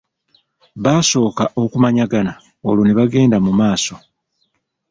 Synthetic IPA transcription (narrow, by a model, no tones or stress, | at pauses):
βaːso̞ːkaʔo̞kumaɲaɡana | oloneβaɡe̞ːndamumaːso̞